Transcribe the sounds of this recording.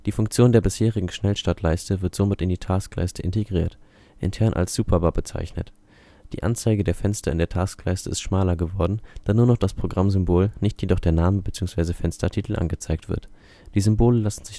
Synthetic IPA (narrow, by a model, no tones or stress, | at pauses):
d̥iːfʊŋkt͡sjoːndeːɐbɪsheːʁ̞ɪɡŋ̩ʃnɛlʃtatʰlaɪstəvɪɐtz̥omɪtɪndiːtʰaːskla̰ɪstəʔɪnteɡʁiːɐt | ʔɪ̰ntʰɛɐnʔa̰lsz̥uːpʰɐbabət͡sa̰ɪçnə̰t | d̥ḭːʔa̰nt͡saɪɡədeːɐfɛnstɐɪndeːɐtʰaːsklaɪstəɪstʃmaːlɐɡəvɔɐdn̩d̥aːnuːɐnɔχd̥aspʁ̥oɡʁamzʏmboːlnɪçtjedɔχd̥eːɐnaːməbət͡siːʊŋsv̥aɪzəfɛnstɐtʰiːtʰl̩ʔa̰nɡət͡saɪk̚tv̥ɪ̰ɐt | d̥iːzʏmboːləlasn̩zɪç